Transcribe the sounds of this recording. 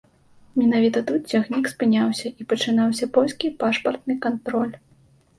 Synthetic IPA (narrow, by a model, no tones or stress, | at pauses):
mʲɛnavʲit̪ɐt̪ut̪̚t͡sʲaxnʲikspɨnʲawsʲɐʔipɐt͡ʂɨnawsʲɐpɔlʲskʲipaʂpɐrt̪̚nɨkant̪ɾɔlʲ